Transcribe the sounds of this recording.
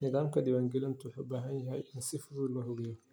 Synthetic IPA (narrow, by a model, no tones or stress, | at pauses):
nɪðaːmkʰɐd̪ɪβaːŋɡɪlɪnt̪ʰʊħṵːbaːɦɐnjɐɦɛjʔɪnsɪfʊðʊllɐɦɔɣɛːjɔ